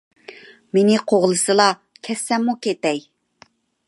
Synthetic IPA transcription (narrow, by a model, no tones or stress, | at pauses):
menɪqʰoʁlˠɨsɨlˠɑ | kʲʰɛsːɛmːukʲet̪ɛj